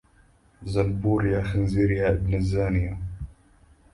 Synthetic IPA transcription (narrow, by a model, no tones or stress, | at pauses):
zɐnbuːɾjaxənziɾijaɪbnəzaːnija